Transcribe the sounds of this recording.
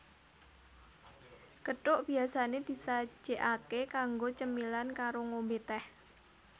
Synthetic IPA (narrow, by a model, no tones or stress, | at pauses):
kəʈʊʔb̥i̤asaned̪̥i̤sḁd͡ʒ̥eʔakekaŋɡot͡ʃəmilankaɾoŋombet̪ɛh